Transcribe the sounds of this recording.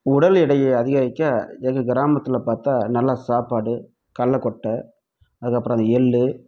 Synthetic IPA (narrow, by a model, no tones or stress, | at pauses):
ʊɽɐlɪɽɐjɐɐðɪɣɐɾɪkːaːɛnɐkːɯɡɪɾaːmɐt̪ːɪlɐpaːɾt̪aːnɐlːaːsaːpaːɽɯ | kɐlːɐkɔʈːɐ | ɐðɯkːɐpːɯɾõɐnd̪ɛɭːɯ